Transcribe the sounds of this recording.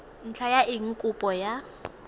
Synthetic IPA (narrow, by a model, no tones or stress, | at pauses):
n̩t͡ɬʰajaɪŋ̩kʼʊpʼɔja